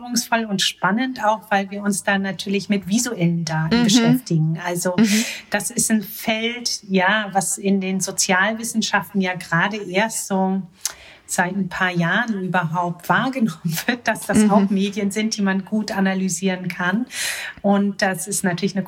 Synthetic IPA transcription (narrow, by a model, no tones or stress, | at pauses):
ʊŋsfɔlʊntʃpanəntaʊxv̥aɪlviːɐʊnsd̥anatʰyːɐlɪçmɪtv̥izuʔɛləndaːtn̩bəʃɛftɪɡŋ̩ʔalzod̥asɪstn̩fɛltjaːvasɪndeːnzot͡sjaːlvɪsn̩ʃaftn̩jaːɡʁaːdəʔeːɐstz̥oː | z̥aɪtnpʰaːɐjaːʁənyːbɐɦaʊp̚tv̥aːɐɡənɔmənvɪɐt̚d̥asd̥asaʊxmeːdjənzɪnt̚d̥iːmanɡuːtʔanalyziːʁənkʰanʔʊnt̚d̥asɪstnatʰyːɐlɪçnə